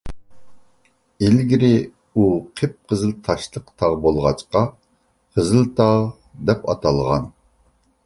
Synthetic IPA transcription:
elɡʲiɾɪ | uqʰep̚qʰəzɨlˠt̪ʰɑʃlˠəqt̪ʰɑʁbolˠʁɑt͡ʃqɑ | qʰəzɨlˠt̪ʰɑʁ | d̪ɛpɑt̪ʰɑlˠʁɑn

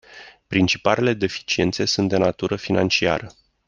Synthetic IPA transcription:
pɾint͡ʃipalele̞d̪e̞fi̥t͡ʃie̞̰nt̪se̞sunt̪̚d̪enat̪uɾəfinant͡ʃia̰ɾə

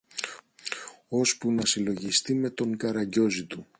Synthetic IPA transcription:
o̞spunɐsilo̞ʝist̪ime̞t̪o̞ŋkɐɾɐɟo̞zit̪u

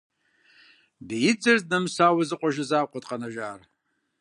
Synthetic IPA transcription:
bijid͡zɨrtnamsawazɨqʷʼaʒazaqʷʼatʼqʼanaʒar

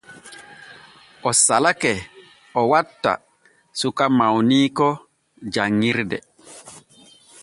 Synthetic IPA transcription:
ʔɔsalakɛ | ɔwatːa̰ | sukamawniːkɔ | d͡ʒaŋːiɾdɛ

